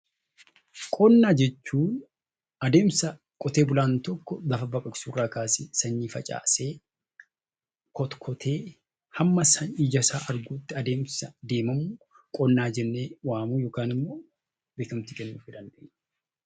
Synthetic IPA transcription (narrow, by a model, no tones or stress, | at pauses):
kʼɔnːaːd͡ʒɛt͡ʃːuːn | ɐd̪e̞ːmsɐ | kʼɔt̪e̞ːbʊlaːnt̪ɔkːɔlɐfɐbɐkʼɐkʼsuːrːaːkaːsɪsɐɲːiːfɐt͡ʃʼa̰ːseː | kʰɔt̪kʰɔt̪ʰeː | hɐmːɐsɐnɪd͡ʒɐsaːʔɐɾɡuːt̪ːɪɐd̪e̞ːmsɐd̪e̞ːmɐmuː | kʼɔnːaːd͡ʒɛnːeːwaːmuːjoːkaːnɪmːoː | bɪk̪ɐmt̪ɪkʼɛnːṵːfɪd̪ɐnd̪ḛːɲ